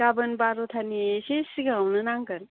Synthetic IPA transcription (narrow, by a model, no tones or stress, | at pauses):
abɯnbaɾɔtʰaniesesiɡaawnɯnaŋɡɯn